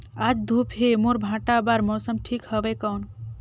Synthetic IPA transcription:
ad͡ʒd̪ʱupʰɦemoɾbʱãʈabaɾmɔsəmʈʰikhəbekəwn

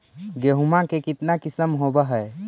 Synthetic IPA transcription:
ɡeɦumakekit̪nakisəmɦobəɦəj

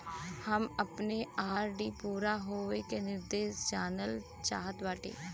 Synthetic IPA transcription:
həməpneːaːɾɖiːpuːɾaːɦoːʋeːkeːnɪɾd̪eːsd͡ʒaːnəl | t͡ʃa̰ːɦət̪ʋəʈḛː

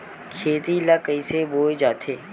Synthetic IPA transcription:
kʰeːt̪iləkəiseboːed͡ʒaːt̪ʰeː

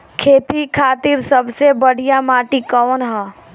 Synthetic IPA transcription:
kʰeːt̪ikʰaːt̪iɾsəbsebəɽ̤ijamaːʈikɔːnɦɛː

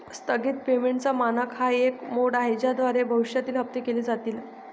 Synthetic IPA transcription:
st̪əɡiːt̪̚pemeɳʈt͡samanəkʰhaekmoɽaɦed͡ʑad̪ʋaɾebʱəʋiɕjat̪iːlɦəp̚t̪ikeliːd͡zat̪iːl

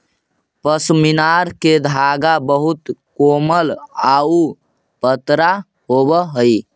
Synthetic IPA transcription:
pəsminaɾked̪ʱaɡabəɦut̪koməlau | pət̪ɾa | ɦobəɦəj

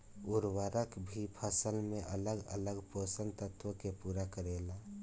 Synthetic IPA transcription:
uɾwaɾəkbʱipʰəsəlmeʔə̰ləɡə̰ləɡposənt̪ət̪wokepuːɾakəɾeːla

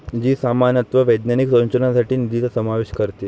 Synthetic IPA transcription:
d͡ʑiːsamanət̪ʋəʋəjd̪naniksõnt͡ɕənasaʈiːnid̪it͡səsəmaʋeɕkəɾt̪e

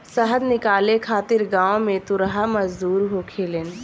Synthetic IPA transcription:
səɦəd̪nɪkaːlekʰaːt̪ɪɾɡãːõmẽt̪ʊɾɦaməd͡ʒd̪uːɾɦokʰeːlen

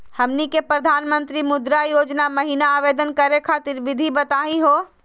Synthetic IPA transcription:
həmnikepɾəd̪ʱaːnmə̃nt̪ɾimʊd̪ɾajoːd͡ʒnaməɦinaːʋeːd̪ənkəɾekʰaːt̪ɪɾʋɪd̪ʱibət̪aːiɦoː

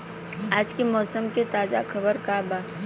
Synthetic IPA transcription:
aːd͡ʒkemɔːsəmket̪aːza̰kʰɐbəɾkabaː

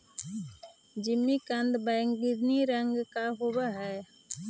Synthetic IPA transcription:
d͡ʒɪmːikə̃nd̪bə̃ŋɡɪd̪niɾə̃ŋɡkaɦʊwaɦɛː

